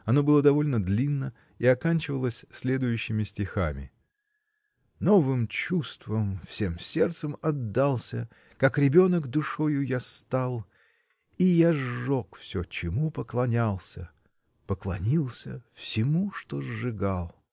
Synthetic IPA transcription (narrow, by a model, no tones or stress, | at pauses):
ɐno̞bɨlˠəd̪ɐvo̞lʲnəd̪lʲinːə | iɐkanʲt͡ɕɪvəlˠəsʲsʲlʲe̞d̪ʊjʉɕːɪmʲɪsʲtʲɪxamʲɪ̰ | no̞vɨmt͡ɕust̪vəmfsʲe̞msʲe̞rt̪səmɐd̪ːalˠsʲə | kakɾʲɪbʲo̞nəɡd̪ʊʂo̞jʊjast̪alˠ | ijaʐːokfsʲot͡ɕɪmupəklˠɐnʲalˠsʲə | pəklˠɐnʲilˠsʲəfsʲɪmuʂt̪ozːɨɡalˠ